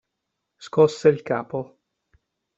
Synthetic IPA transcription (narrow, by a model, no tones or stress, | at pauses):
skɔsːeilka̰ːpo